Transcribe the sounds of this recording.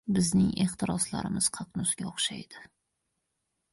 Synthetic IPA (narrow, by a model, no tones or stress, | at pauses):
bɪznɪŋeχt̪ʰɪɾɒsla̰ɾɪmɪz̥qʰɑqnʊsɡʲaoχʃajd̪ɪ